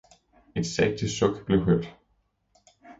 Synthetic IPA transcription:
ed̥sɛɡ̥̚dʰəsɔɡ̥b̥le̝ʊɦøɐ̰d̥

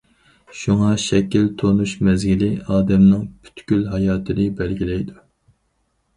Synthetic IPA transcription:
ʃuŋɑʃɛkʲilt̪ʰonuʃmɛzɡʲilɪɑːd̪ɛmnɨŋpʰy̥t̪kʲylɦɑjɑːt̪ʰɨnɨbɛlɡʲilɛjd̪u

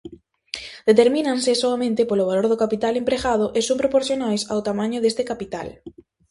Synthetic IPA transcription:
d̪̥et̪eɾmĩnãnsesoamẽnt̪ɪpoloβaloɾðokapit̪alempɾeɣað̞ʊʔesompɾopoɾθjonajsa̰wt̪amãɲʊðest̪ekapit̪a̰l

